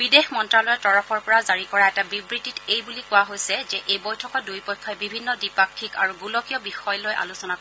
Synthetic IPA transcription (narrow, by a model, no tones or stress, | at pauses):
b̥idexmɔntɹalɔjɛtɔɹɔpʰɔɹpɔɹazaɹikɔɹaɛtabibɹititejbulikʊwaɦojsɛzɛʔejbɔjtʰɔkɔdujpɔjkʰːɔɛbibʱinːɔdipakʰːikaɹuɡulɔkijɔbixɔjlojʔa̰lusɔnak